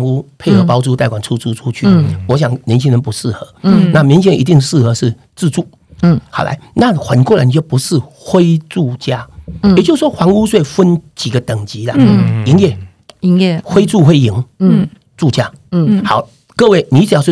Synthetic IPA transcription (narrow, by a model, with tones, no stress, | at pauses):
ŋu˦pʰe˥˩ɪxɤ˧pɑ˦ʊt͡su˥˧t̪a˥˩ɪkwa˨˩nt͡sʰu˥t͡sʰu˥t͡sʰu˦t͡ɕʰy̰˥˨wɔ˧˥ɕ̬ja˨˩ŋnʲjɛ˧˦nt͡ɕʰi˥ŋɻə˧˦npu˧˦ʂɻ̩˥˩xɤ˧˦na˥˨mi˧˦ŋt͡ɕʰi˥ŋə˧nʔi˧t̪i˥˧ŋʂɻ̩˥˩xɤ˧˦ʂɻ̩˥˧ | t͡sɹ̩˥˧t͡su˥˩ | xa˨˩ʊlʔa̰˧˦ɪna˥˨xwə˨˩nkwɔ˥˨ɻə̰˨˦nt͡ɕjo˥˩ʊpu˧˥ʂɻ̩˥˧xwe˥ɪt͡su˥˩t͡ɕja˦jt͡ɕjo˥˧s̩˧˩wɔ˥xwa˧˥ŋu˦s̬we˥˩ɪfə˦nt͡ɕi˨˩ɡə˩˦t̪ə˨˩ŋt͡ɕi˨˦la˨i˧˥˦ŋjɛ˥˩˧ | xwe˥ɪt͡su˥˧xwe˥˩ɪi˨˩˦ŋ | t͡su˥˧t͡ɕja˥˩xa˨˩˦ʊ | kɤ˥˧we˥˩ɪnĩ˨˧˥t͡s̩˨˩jsw